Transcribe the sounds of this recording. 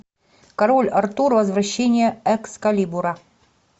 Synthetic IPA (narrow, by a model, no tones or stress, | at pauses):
kɐɾolʲɐrt̪urvɐzvɾɐɕːenʲɪjəɛkskɐlʲibuɾɐ